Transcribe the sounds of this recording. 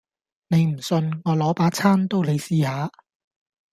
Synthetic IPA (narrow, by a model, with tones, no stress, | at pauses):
ne˨˧jm̩˨˩sɵ˧nŋɔː˨˧lɔː˨˥paː˨˥t͡sʰaː˥nt̪o˥wle˨˧jsiː˧haː˨˧